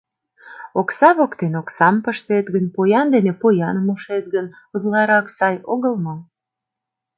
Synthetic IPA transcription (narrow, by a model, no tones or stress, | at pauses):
oksɑβokt̪enoksɑmpəʃt̪et̪ɡənpojɑnd̪enepojɑnəmuʃet̪̚ɡən | uzlɑɾɑksɑjoɣəlmo